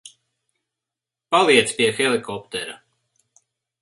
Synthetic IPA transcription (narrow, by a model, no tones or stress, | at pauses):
palˠiɛt̪spiɛxɛlˠikɔpt̪ɛɾa